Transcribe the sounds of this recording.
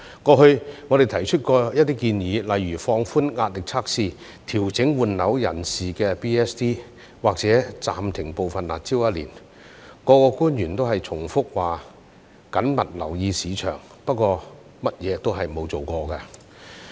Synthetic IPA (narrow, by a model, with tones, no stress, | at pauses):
kɔː˧ɦɵ˧ɥŋɔ˨˧e˨jt̪ʰɐ˨˩jt͡ʃʰɵ˥t̚kɔː˧jɐ˥t̪iː˥kiː˧njiː˨˥lɐ˨jɥyː˨˩fɔː˧ŋfuː˥nŋaː˧t̚lɪ˨k̚t͡sʰaː˥k̚siː˧ | t̪ʰiː˨˩wt͡sɪ˨˥ŋwuː˨nlɐ˨˥wjɐ̰˨˩nsiː˨kɛː˧piː˥ɛ˥st̪iː˥ | waː˨k̚t͡sɛː˨˥t͡sa̰ː˨mt̪ʰɪ˨˩ŋpo˨wfɐ˨nla̰ː˨t̚t͡siː˥wjɐ˥t̚lḭː˨˩n | kɔː˨˧kɔː˧kuː˥njyː˨˩nt̪o˥wɦɐ˨jt͡sʰʊ˨˩ŋfʊ˥k̚waː˨˩ | kɐ˨˥nmɐ˨˩t̚lɐ̰˨˩wjiː˧siː˨˧t͡ʃʰœ̰ː˨˩ŋ | pɐ˥t̚kʷːɔː˧ | mɐ˥t̚jɛː˨˧t̪o˥wɦɐ˨jmo˨˧wt͡so˨wkɔː˧kɐ˧